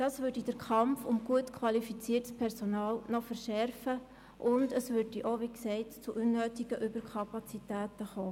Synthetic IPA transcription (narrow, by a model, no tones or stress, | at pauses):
d̥ɑːsʋʏɾdidəɾkʰχɑmfʊmɡ̥uətkʰwɑlifit͡siərtspʰɛɾsɔnɑːlnɔfəɾʃɛɾfə | ʔʊndəsʋʏɾd̥iʔoʋiksɛɪtt͡suʔunːøːtiɡ̥əʔʏbəɾkʰɑpɑt͡sitæːtəχoː